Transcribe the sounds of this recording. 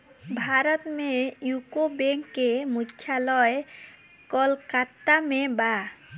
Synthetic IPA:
bʱaɾot̪mejukobeŋkːemutʰːjalɔe | kɔlkat̪ːameba

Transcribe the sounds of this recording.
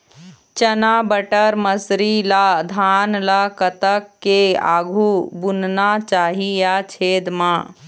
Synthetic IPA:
t͡ʃənabəʈəɾməsɾilad̪ʱaːnlakət̪əkːea̰ːɡʱubunnat͡ʃaːɦijat͡ʃʰeːd̪mãː

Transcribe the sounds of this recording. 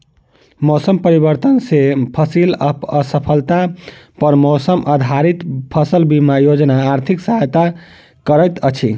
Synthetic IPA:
mɔsəmpəɾibəɾt̪ənsepʰəsiləpəsəpʰəlt̪apəɾmosəmʔəd̪ʱaɾit̪pʰəsəlbimajod͡ʒnaːɾt̪ʰiksəɦajt̪a | kəɾəjt̪ət͡ʃʰi

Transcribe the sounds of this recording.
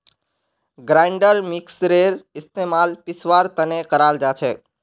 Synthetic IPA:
ɡɾãːɪɳɖəɾmɪksɾeːɾɪst̪eːmaːlpɪsʋaːɾt̪ɐnekəɾaːld͡ʒaːt͡ʃʰeː

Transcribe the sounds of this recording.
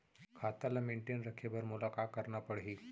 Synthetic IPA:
kʰat̪alameɳʈenɾəkʰebəɾmulakakəɾɳapəɽɦiː

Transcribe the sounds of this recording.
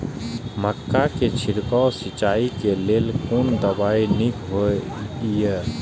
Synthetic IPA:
məkːaket͡ʃʰiɾkawsit͡ʃaikelelkond̪əbainikɦo | je

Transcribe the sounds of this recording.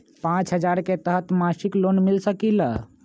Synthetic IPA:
pãt͡ʃɦəd͡ʒaɾket̪əɦət̪masiklonmilsəkila

